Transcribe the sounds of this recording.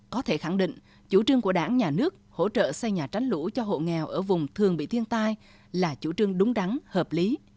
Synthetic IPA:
kɔ˨˦t̪ʰe˧˩xa˧˩ŋɗḭ̈˧˨ŋ̟ | t͡ɕu˧˩t͡ɕɨ˧əŋku˧˩əɗaː˧˩ŋɲaː˨˩nɨ˦˥ək̚ho̰˧˥t͡ɕə̰ː˧˨sɛ˧jɲaː˨˩t͡ɕa˨˦jŋ̟lṵ˧˥t͡ɕɔ˧ɦo̰˧˨ŋɛ˨˩wʔəː˧˩vʊ˨˩ŋ͡mt̪ʰɨ˨˩əŋɓḭ˧˨t̪ʰi˧ənt̪aː˧j | laː˨˩t͡ɕṵ˧˩t͡ɕɨ˧əŋɗʊ˨˦ŋ͡mɗa˨˦ŋhəː˨˩p̚li˨˦

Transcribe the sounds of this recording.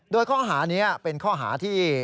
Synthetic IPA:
doː˧jkʰɔː˥˩ɦaː˩˦niː˦˥a˨˩pe˧nkʰɔː˥˩ɦa̰ː˩˦t̪ʰiː˥˩

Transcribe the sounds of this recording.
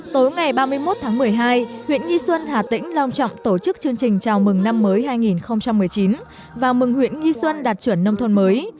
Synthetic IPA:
t̪o˨˦jŋa˨˩jɓaː˧mɨ˧əjmo˦˥t̚t̪ʰaː˨˦ŋmɨ˨˩əjɦaː˧jhwḭ˧˨ənŋi˧swə˧nhaː˨˩t̪ḭ̈˧˥ŋ̟la˧wŋ͡mt͡ɕɔ̰˧˨wŋ͡mt̪o˧˩t͡ɕɨ˦˥k̚t͡ɕɨ˧əŋt͡ɕï˨˩ŋ̟t͡ɕaː˨˩wmɨ˨˩ŋna˧mːəː˨˦jɦaː˧jŋi˨˩nxə˧wŋ͡mt͡ɕa˧mːɨ˨˩əjt͡ɕi˨˦n | vaː˨˩mɨ˨˩ŋhwḭ˧˨ənŋi˧swə˧nɗaː˨˩t̚t͡ɕwə˧˩nːə˧wŋ͡mt̪ʰə˧nməː˨˦j

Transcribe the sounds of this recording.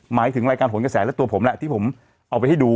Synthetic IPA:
maː˩˦jt̪ʰɯ˨˩˦ŋɾaː˧kaː˧nɦo˩˦nka˧sɛː˩˦lɛ˦˥t̪u˧əpʰo˩˦mlɛ˧˩ʔt̪ʰiː˥˩pʰm | ʔa˧wp̬a˧jha˥˩jduː˧

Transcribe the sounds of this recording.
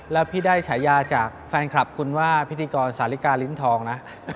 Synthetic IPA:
lɛː˦˥wpʰiː˥˩daː˥˩jt͡ɕʰa˩˦jːaː˧t͡ɕaː˨˩k̚fɛː˧nkʰɾa˨˩p̚kʰu˧nwaː˥˩pʰi˦t̪ʰːiː˧kɔː˧nsaː˩˦li˦˥kaː˧li˦˥nt̪ʰɔː˧ŋna˦˥ʔ

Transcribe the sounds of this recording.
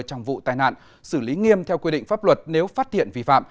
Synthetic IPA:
t͡ɕa˧wŋ͡mvṵ˧˨t̪aː˧˩jna̰ː˧˨n | sɨ˧˩li˨˦ŋi˧əmt̪ʰɛ˧wkwi˧ɗḭ˧˨ŋ̟faː˦˥p̚lwə˨˩t̚ne˨˦wfaː˦˥t̚t̪ḭ˧˨ənvi˧˩fa̰ː˧˨m

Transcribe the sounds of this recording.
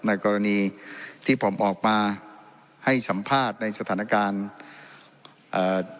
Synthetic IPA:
na˧jkɔː˧ɾa˧niː˧t̪ʰiː˥˩pʰo˩˦mʔɔː˨˩k̚maː˧ | ha˥˩jsa˩˦mpʰaː˥˩t̪̚na˧jsa˧t̪ʰaː˩˦na˧kaː˧n | ʔː

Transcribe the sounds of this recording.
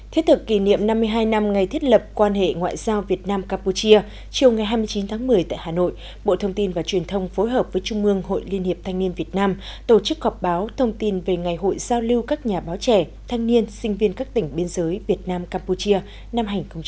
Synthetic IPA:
t̪ʰi˦˥ət̪̚ʰɨ˨˩kːi˧˩nḭ˧˨əmna˧mːɨ˧əjɦaː˧jna˧mŋa˨˩jt̪ʰi˦˥ət̚lə˨˩p̚kwaː˧nhḛ˧˨ŋwa̰ː˧˨jzaː˧wvi˨˩ət̚naː˧mkaː˧mpu˧t͡ɕi˧ə | t͡ɕi˨˩əwŋa˨˩jɦaː˧jmɨ˧əjt͡ɕi˨˦nt̪ʰaː˨˦ŋmɨ˨˩əjt̪a̰ː˧˨jhaː˨˩no̰˧˨j | ɓo̰˧˨t̪ʰə˧wŋ͡mt̪i˧nvaː˨˩t͡ɕwi˨˩ənt̪ʰə˧wŋ͡mfo˨˦jɦəː˨˩p̚v̥əː˨˦jt͡ɕʊ˧ŋ͡mʔɨ˧əŋho̰˧˨jli˧ənhi˨˩əp̚t̪ʰa˧jŋ̟ni˧ənvi˨˩ət̚naː˧mt̪o˧˩t͡ɕɨ˦˥k̚hɔ˨˩p̚ɓaː˨˦wt̪ʰə˧wŋ͡mt̪i˧nve˨˩ŋa˨˩jɦo̰˧˨jzaː˧wli˧wkaː˦˥k̚ɲaː˨˩ɓaː˨˦wt͡ɕɛ˧˩ | t̪ʰa˧jŋni˧ənsï˧ŋ̟vi˧ənkaː˦˥k̚t̪ï˨˩ŋ̟ɓi˧ənzəː˨˦jvi˨˩ət̚naː˧mkaː˧mpu˧t͡ɕi˧ə | na˧mɦa˨˩jŋ̟xə˧wŋ͡mt͡ɕ

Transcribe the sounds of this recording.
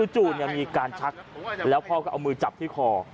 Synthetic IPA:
ɯː˧t͡ɕuː˨˩t̪̚ni˧˨˩miː˧kaː˧nt͡ɕʰa˦˥k̚lɛː˦˥wpʰɔː˦˥kɔː˧˥˩ʔa˧wmɯː˧t͡ɕa˨˩p̚t̪ʰiː˥˩kʰɔː˧

